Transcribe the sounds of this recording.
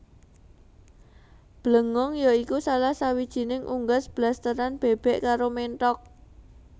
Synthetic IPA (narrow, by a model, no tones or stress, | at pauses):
b̥ləŋɔŋjaikusalahsawid̥ʒ̥i̤nɪŋʔuŋɡasb̥last̪əɾanb̥eb̥ɛʔkaɾomenʈ̪ɔk̚